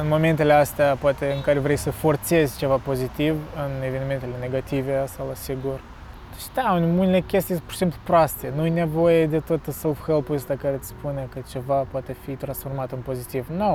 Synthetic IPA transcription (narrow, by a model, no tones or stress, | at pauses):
ɨnmo̞me̞nt̪e̞le̞ast̪eapoat̪eɨŋkaɾʲevɾejsəfo̞rt̪se̞zʲt͡ʃe̞vapo̞zit̪ivɨnevenʲime̞nt̪ele̞ne̞ɡat̪iveast̪alasiɡur | d̪et͡ʃd̪aunʲmunelekʲest̪ijpoʃi̥simplupɾoast̪enujnevo̞jed̪e̞t̪ot̪əsolˠfxelpust̪akaɾet̪sʲpunʲekət͡ʃe̞vapoat̪e̞fit̪ɾansfo̞rmat̪ɨnpo̞zit̪ivno